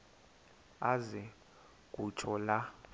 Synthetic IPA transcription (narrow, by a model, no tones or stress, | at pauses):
azɛ | kʼut͡ʃʰʼɔla